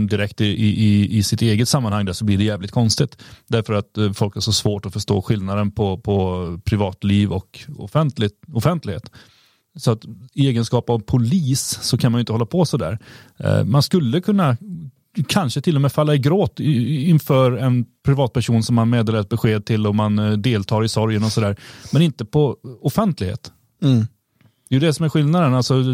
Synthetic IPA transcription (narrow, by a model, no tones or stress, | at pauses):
d̪ɪɾɛkt̪ɪʔɪʔɪɪsɪt̪eːɡət̪samːanhaŋːd̪æʂɔblɪɖɛjæːvlɪt̪kʰɔnst̪ɪt̪d̪æɾfœɾat̪fɔlkhæʂɔsvoːʈɔfœʂʈo̰ːɧɪlnad̪ənpʰɔpʰɔpʰɾɪvɑːt̪liːvɔkɔ̰fɛnt̪lɪɔfɛnt̪lɪɡhḛːt̪ | sɔat̪ɪeːɡənskɑːpavpʰʊliːsːɔkʰanmanjʏɪnt̪əhɔlːapʰɔsɔd̪æ̰ːɾ̰ | manskɵlːəkʰɵnːa | kʰanʂət̪ʰɪlːɔmɛːfalːaɪɡɾoːt̪ɪnfœːɾɛnpʰɾɪvɑːt̪̚pʰæʂuːnsɔmːanmeːd̪eːlaɾt̪̚bɛɧeːd̪̚t̪ʰɪlːɔmːand̪eːlt̪ʰɑːɾɪsɔɾjənɔsɔd̪æːɾmɛnɪnt̪əpʰɔɔfɛnt̪ʰlɪɡhḛːt̪ | d̪̥ɛjɵd̪ɛsɔmæɾɧɪlnad̪ənalsɔ